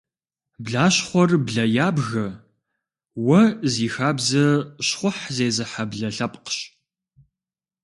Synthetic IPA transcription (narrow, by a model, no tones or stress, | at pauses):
bɮaːɕχʷɔrbɮɐjaːbɣɐ | wɐziːxaːbzɐɕχʷʊħzeːzɨħabɮɐɬɐpʼqə̥ɕ